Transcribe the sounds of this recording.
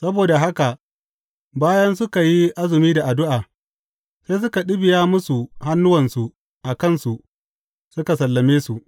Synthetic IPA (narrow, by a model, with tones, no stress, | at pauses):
sɐ˦boː˨da˨ɦa˦ka˨ | baː˦jɐ˦nsʊ˦ka˨ji˦ʔa˦zɪ˨miː˦da˨ʔa˨dʊ˦ʔaː˨ | se˦s̬ʊ˦ka˨ɗɪ˦bɪ˨jaː˦mʊ˦su˨ha˦nːʊ˦wɐ˨nsu˨ | ʔa˨kɐ˦˨nsu˨ʔ | sʊ˦ka˨sɐ˨lːɐ˨meː˦su˨ʔ